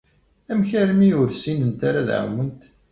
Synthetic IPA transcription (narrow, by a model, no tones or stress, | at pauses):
æmçæɾmiʊɾsinənt̪aɾað̰ʕa̰wənt̪